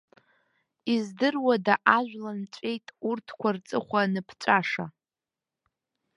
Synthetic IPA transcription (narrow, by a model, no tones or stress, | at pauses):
izdɨrwadaʔaʒʷᶣlant͡ʃʷʼe̞jtʼurtʰkʷʰart͡sʼɨχʷanɨpʰt͡ʃʷʼaʂa